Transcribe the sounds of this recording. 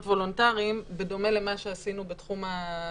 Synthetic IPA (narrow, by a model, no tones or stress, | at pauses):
tvo̞lontaʁiimbedo̞me̞le̞maʃeasinubetχuma